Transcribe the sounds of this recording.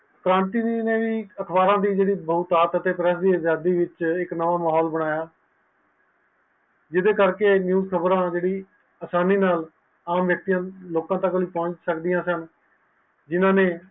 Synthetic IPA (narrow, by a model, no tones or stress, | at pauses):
kəɾãːnt̪iːneːʋiːəkʰbaːɾãːd̪iːd͡ʒeːɽiːbəːt̪aːt̪ət̪eːpɾɛsd̪iːəzjaːd̪iːʋɪt͡ʃɪknəʋaːmaːɦɔːlbəɽ̃aːjaː | d͡ʒɪd̪eːkəɾkeːnjuːzkʰəbɾãːd͡ʒeːɽiː | əsaːniːnaːl | aːmʋjək̚t̪ijãːloːkãːt̪əkliːpɔ̃ːt͡ʃsəkd̪ɪjãːsən | d͡ʒɪnãːneː